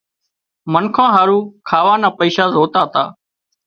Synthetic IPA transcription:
mənkʰãːɦaːɾũːkʰaːʋaːnaːpəiːʃaːzoːt̪aːt̪a̰ː

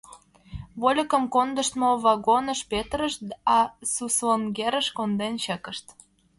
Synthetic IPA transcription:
βolʲə̆kə̆mkond̪əʃt̪moβɑɣonəʃpet̪ɾəʃɑsuslonɡeɾə̆ʃkond̪enɕəkə̆ʃt̪

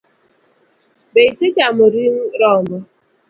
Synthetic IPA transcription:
beiset͡ʃamʊɾiŋ̩ɾɔmɔ

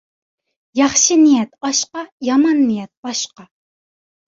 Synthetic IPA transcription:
jɑχʃɨnijɛt̪ɑʃqɑjɑmɑnːɨjɛt̪̚bɑʃqɑ

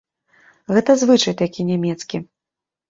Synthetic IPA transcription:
ɣɛt̪ɐzvɨt͡ʂɐjt̪akʲinʲamʲɛt̪skʲi

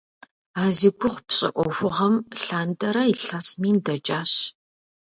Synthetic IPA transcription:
aːziɡʷʊχʷpɕʼɪ̰ʔʷɔfʷʊʁɐmɬaːntʼɐɾɐiɬɐsmiːndɐt͡ʃʼaːɕ

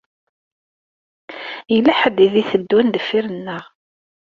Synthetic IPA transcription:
jəlːæħəd̪iðiθəd̪ːund̪əfːiɾənːəʁ

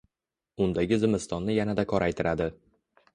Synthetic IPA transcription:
ʊnd̪aɡʲɪzɪmɪst̪ɒnːɪjanad̪akʰɒɾajt̪ʰɪɾʔad̪ɪ

